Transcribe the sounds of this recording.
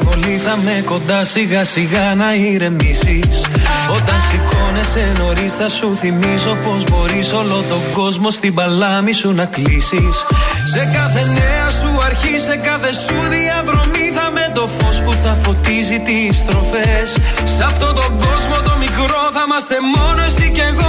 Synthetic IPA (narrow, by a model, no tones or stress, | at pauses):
ko̞liθɐme̞ko̞nd̪ɐsiɣɐsiɣɐnɐiɾe̞misiso̞t̪ɐnsiko̞ne̞se̞no̞ɾisθɐsuθimizo̞po̞zbo̞ɾisolo̞t̪o̞ɡo̞zmo̞st̪ibɐlɐmisunɐklisisːe̞kɐθe̞ne̞ɐsuɐɾçise̞kɐθe̞suðiɐðɾo̞miθɐme̞t̪o̞fo̞spuθɐfo̞t̪izit̪ist̪ɾo̞fesːɐft̪o̞t̪o̞ɡo̞zmo̞t̪o̞mikɾo̞θɐmɐst̪e̞mo̞noesice̞ɣo